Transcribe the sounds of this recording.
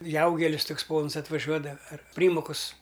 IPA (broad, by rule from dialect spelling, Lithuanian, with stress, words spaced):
ˈjɛʊɡʲɛlʲɪs ˈtʊks ˈpoːns ɐtʋɐˈʒʲuɔdɐ ɐr ˈpʲrʲiːmoːkʊs